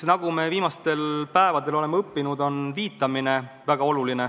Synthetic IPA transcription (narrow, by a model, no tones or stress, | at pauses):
nɑɡ̥ume̞viːmɑst̪e̞lpæevɑd̪e̞lo̞le̞meɤpːinud̪o̞nviːt̪ːˑɑmine̞ | væɡ̥ɑo̞luline